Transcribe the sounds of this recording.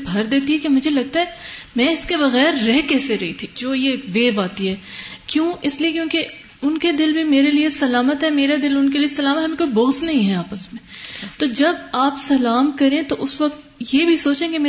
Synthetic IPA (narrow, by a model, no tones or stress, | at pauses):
bʱɐɾd̪eːt̪iɦɛkemʊd͡ʒʱelɐɡ̚t̪aɦɛmɛ̃ːɪskebɐɣɛːɾːɛɦkɛːseɾɐɦit̪ʰid͡ʒoːjeʋeːʋaːt̪iɦɛːkjõːɪsliekjõːke | ʊnked̪ɪlbʱimeːɾeliesɐlaːmət̪ɦɛmeːɾed̪ɪlʊnkeliesɐlaːmət̪ɦɐmẽkoːiboːɣsnɐɦĩɦɛaːpəsmẽt̪oːd͡ʒɐbaːpsɐlaːmkɐɾẽt̪oʔʊsʋɐk̚t̪jebʱisoːt͡ʃẽkemɛː